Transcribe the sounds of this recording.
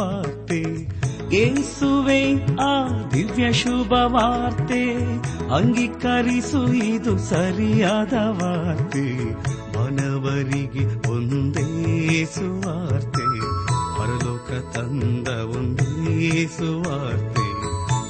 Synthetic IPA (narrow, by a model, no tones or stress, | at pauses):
aːɾt̪e | esuʋeaːd̪iʋjɐʃubʱɐʋaːɾt̪eɐŋɡikɐɾisuid̪usɐɾijaːd̪ɐʋaɾt̪ebɐnɐʋɐɾiɡeond̪esuʋaːɾt̪epɐɾɐloːkʰɐt̪ɐnd̪ɐond̪esuʋaːɾt̪e